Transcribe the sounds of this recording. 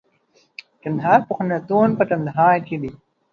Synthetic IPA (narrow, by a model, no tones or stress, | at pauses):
ʈɐnd̪ɦɑːɾpuxnat̪oːnpəʈɐnd̪ɦɑːɾked̪i